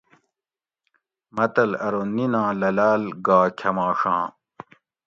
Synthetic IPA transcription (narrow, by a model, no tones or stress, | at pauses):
mɐt̪ɐlɐɾoninãːlɐlaːlɡaːkʲʰɐmãːʂãː